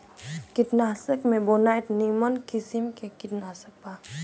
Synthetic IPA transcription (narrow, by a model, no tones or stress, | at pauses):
kɪʈnaːsəkmẽbonajʈnimənkisimkekɪʈnaːsək̚paː